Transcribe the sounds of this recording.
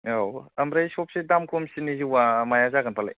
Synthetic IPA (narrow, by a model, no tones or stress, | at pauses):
awɐmɾajsɔp̚sedamkʰomsiniziwamajazaɡanpʰala̰j